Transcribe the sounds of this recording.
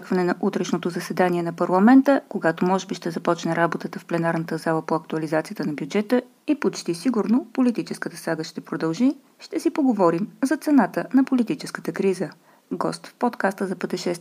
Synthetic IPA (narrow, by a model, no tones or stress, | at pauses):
kvɐnɛnɐʔut̪ɾɛʃnot̪ozɐsɛd̪aniɛnɐpɐɾlˠɐmɛnt̪əkoɡat̪omɔʒɛbiʃt̪ɛzɐpɔt͡ʃnɛɾabot̪ət̪əfplɛnaɾnət̪əzalˠəpoɐkt̪uɐlizat̪sijət̪ənɐbʲjud͡ʒɛt̪ə | ipot͡ʃt̪isiɡuɾnopolit̪it͡ʃɛskət̪əsaɡəʃt̪ɛpɾod̪ɐlˠʒi | ʃt̪ɛsipoɡovɔɾimzɐt̪sɛnat̪ənɐpolit̪it͡ʃɛ̥skə̥t̪əkɾizə | ɡɔst̪fpot̪kast̪əzɐpət̪ɛʃɛst̪